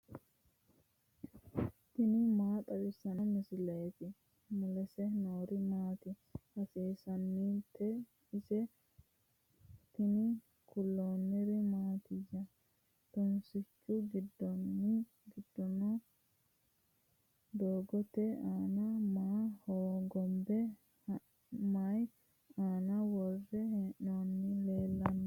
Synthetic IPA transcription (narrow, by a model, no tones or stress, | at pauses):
t̪ɪnɪmaːt̪ʼɐdɪsɐnmɪsɪlɐjɛt̪ɪ | mʊlɛsɛnoːɾɪmaːt̪ɪ | hɐseːsɐnːiːt̪ːɛ | ɪsɛ | t̪ɪnɪ | kʊlːoːnːɪɾɪmaːt̪ɪd͡ʒɐ | t̪ɔnsɪt͡ʃːʊɡɪd̪ːɔnːɪ | ɡɪd̪ːɔnɔ | d̪oːɡɔt̪ɛaːnɐmaːhoːɡɔmbɛ | h | maj | aːnɐwɔrːɛhɛʔonːɪle̞ːlːɐnːɐ